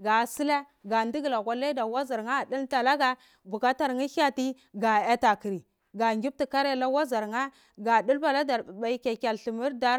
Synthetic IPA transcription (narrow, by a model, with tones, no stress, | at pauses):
ɡa˨si˦la˦ | ɡa˨ndi˦ɡla˨ɣʷa˨la˦da˨wa˦za˨ɾŋa˦˨di˦lta˨la˦ɡa˦ | bu˨ka˦ta˨ɾŋi˦ɬa˦ti˦ | ɡa˨a˦ta˨ki˨ɾi˨ | ɡa˨ŋɡʲi˦b̚ti˨ka˦ɾa˦la˦wa˦za˨ɾŋa˦ | ɡa˨du˦lba˨la˦da˨ɾba˨i˦ka˨kʲa˨li˨mi˦ɾda˦